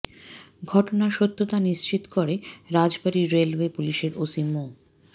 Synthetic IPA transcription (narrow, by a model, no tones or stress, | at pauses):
ɡʱɔʈonaʃot̪ːot̪aniʃt͡ɕit̪okoɾeɾad͡ʑbaɾiɾelwepuliʃeɾosimo